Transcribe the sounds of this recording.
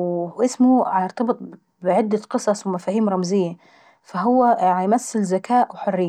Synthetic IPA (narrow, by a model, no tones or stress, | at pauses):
ʔɪsmʊʕajɑɾt̪ɑbɨt̪ˤ | bʕɪd̪ːaqɨsˤɑsˤwmafaːhiːmɾˤɑmzɪjːa | faɦʊwːaʕajmasːɪlzakaːʔwħʊrːɪː